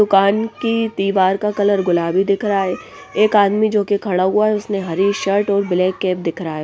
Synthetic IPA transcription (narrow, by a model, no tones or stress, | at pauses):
d̪ʊkaːnkit̪iːʋaːɾkakɐləɾɡʊlaːbʱid̪ɪkʰɾaɦɛː | eːkaːd̪mid͡ʒoːkekʰɐɽaɦuaɦɛʊsneɦɐɾiʃɐɾʈɔːɾbɪlɛːkːɛːp̚d̪ɪkʰɾaɦɛː